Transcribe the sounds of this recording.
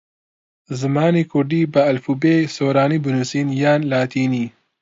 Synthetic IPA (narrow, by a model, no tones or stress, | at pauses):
zɨmaːnikuɖibɐɐlfubeːsoːɾaːnibunusiːnjaːnlaːt̪iːni